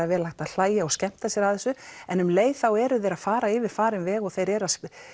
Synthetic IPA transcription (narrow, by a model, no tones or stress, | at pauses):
avɛːɾlajht̪aðl̥aːjaɔɣscɛm̥t̪asjɛɾaðθɛsːʏɛnʏmleːjθawɛɾʏθejɾað̥faːɾaɪːvɪɾ̥faːɾɪmvɛːɣɔɣθejɾɛɾaðs